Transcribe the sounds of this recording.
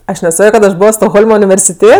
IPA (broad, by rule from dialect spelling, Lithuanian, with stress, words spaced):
ˈɐʃ nʲɛˈsɑːkʲoː kɐt ɐʃ ˈboːʋoː stoːɡˈɣoːlˠmɐ ʊnʲɪʋʲɛrʲsʲɪˈtʲeː